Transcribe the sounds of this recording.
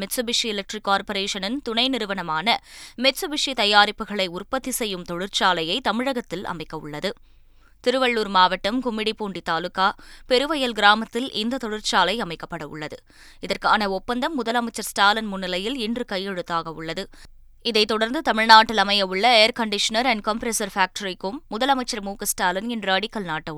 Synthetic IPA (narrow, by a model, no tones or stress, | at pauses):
mɛtsɔbɪʂiɪlɐk̚ʈrɪkːaːɾpɐɾeːʂɐnɪnt̪ʊnɐɪnɪɾɯʋɐnɐmaːnɐmɛsɯbɪʂit̪ɐjaːɾɪpːɯɣɐɭɐɪʊrpɐt̪ːisɛjːɯmt̪ɔɽɯrt͡ʃaːlɐjɐɪt̪ɐmɪɻɐɣɐt̪ːɪlɐ̰mɐɪkːɐʊ̰ɭːɐðɯ | t̪ɪɾɯʋɐɭːuːɾmaːʋɐʈːɐmkʊmːɪɽipːuːɳɖit̪aːlɯkːaːpɛɾɯʋɐjɐlɡɪɾaːmɐt̪ːɪlʔɪnd̪ɐt̪ɔɽɯɾt͡ʃaːlɐɪɐmɐɪkːɐpːɐɽɐʊ̰ɭːɐðɯ | ɪðɐrkaːnɐɔpːɐnd̪ɐmːʊðɐlɐmɐɪt͡ʃːɐɾsʈaːlɐnmʊnːɪlɐjɪlɪndrɯkɐjːɛɻɯt̪ːaːɣɐʊɭːɐðɯ | ɪðɐɪt̪ːɔɽɐɾnd̪ɯt̪ɐmɪɻnaːʈːɪlɐmɐjɐʊɭːɐeːɐɾkɐɳɖɪʂɐnɐɾɐɳɖ̚kompɾesɐɾfaːk̚ʈɐɾɪkːɯmːʊðɐlɐmɐɪt͡ʃːɐɾmuːkɐsʈaːlɐnɪndrɐɐɽɪkːɐlnaːʈːɐ